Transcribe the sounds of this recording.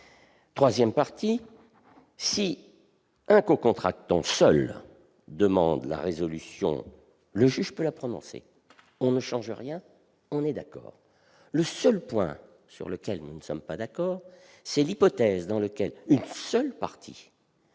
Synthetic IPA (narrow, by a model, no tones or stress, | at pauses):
t̪χwazjɛmpaʁt̪i | si | ɛ̃kokɔ̃t̪χak̚t̪ɑ̃sœl | d̪əmɑ̰̃d̪la̰ʁezɔlysjɔ̰̃ | ləʒyʒpølapχɔnɔ̰̃sḛ | ɔ̃nəʃɑ̃ʒəʁjɛ̃ | ɔ̃nɛd̪akɔ̰ːʁ | ləsœlpwɛ̰̃ | sy̰ʁləkʲɛlnunəsɔmpad̪akɔːʁ | sɛlipɔt̪ɛzd̪ɑ̃ləkʲɛlynsœlpa̰ʁt̪ʰḭ